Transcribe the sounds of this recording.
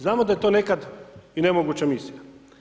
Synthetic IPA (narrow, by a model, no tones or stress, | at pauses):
znaːmod̪ajet̪one̞kad̪inemoɡut͡ɕamisija